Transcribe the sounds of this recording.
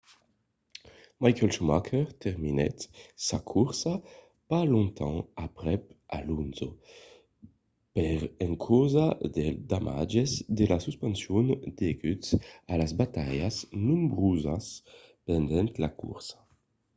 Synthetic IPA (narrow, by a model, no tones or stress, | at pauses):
majkɛlʃumakʰɛʁt̪ɛʁminɛ̰t̪sakʰuʁsa | palõnt̪ʰɑ̃apʁɛpa̰lunzo | pɛʁɛŋkʰɔzad̪ed̪amʔa̰d͡ʒezd̪elasyspɛ̃nsjɔnd̪eɡytsalazbat̪ajasnũmbʁuzaspɛnd̪ɛnt̪lakṵɾsḁ